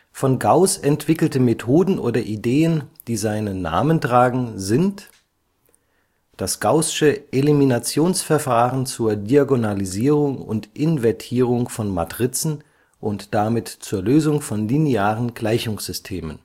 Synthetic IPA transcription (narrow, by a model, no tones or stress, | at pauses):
fɔnɡaʊsɛntv̥ɪkl̩təmetʰoːdn̩ʔo̰ːdɐʔideːənd̥iːzaɪnəna̰ːməntʁ̥aːɡŋ̩zɪnt | d̥asɡ̥aʊsɪ̥ʃəʔeliminat͡sjoːnsfɛɐfaːʁənt͡suːɐdiaɡonaliziːʁʊŋʊ̰ntʔɪnvɛɐtʰiːʁ̞ʊŋfɔnma̰tʁ̥ɪt͡sn̩ | ʔʊntd̥amɪtt͡suːɐløːzʊŋfɔnlineaːʁənɡ̥laɪçʊŋsz̥ʏstʰeːmə̰n